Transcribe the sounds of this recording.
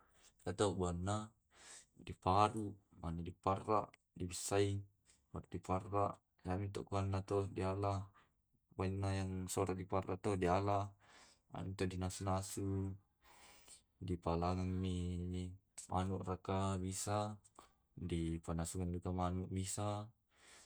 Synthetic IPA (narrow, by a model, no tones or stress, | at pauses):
jat̪oʔɡuanːa | dipaduʔ | manadiparːaʔ | dibisːai | paɾuʔdiparːaʔ | jamit̪oʔɡuanːat̪odialah | bainːajaŋsoɾaʔdiparːaʔt̪odialah | a̰mit̪odinasunasu | dipalaŋaŋmi | manuʔrakabisa | dipanasuŋandukamanuʔbisa